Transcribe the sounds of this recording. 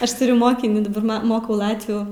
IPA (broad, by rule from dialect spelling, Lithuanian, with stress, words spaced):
ˈɐʃ tʊˈrʲʊ ˈmoːkʲɪnʲiː dɐˈbɐr ˈmɐ ˈmoːkɐʊ ˈlˠɑːtʲʋʲuː